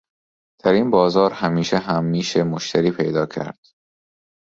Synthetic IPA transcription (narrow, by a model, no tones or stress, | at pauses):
d̪̥æɾinbɒːzɒːɾhæmiːʃeɦæmːiːʃemoʃt̪ʰæɾiːpʰe̞jd̪ɒːcʰæ̰ɾd̪̥